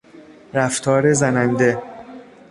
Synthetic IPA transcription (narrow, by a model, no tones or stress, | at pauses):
ɾæft̪ʰɒːɾezænænd̪e̞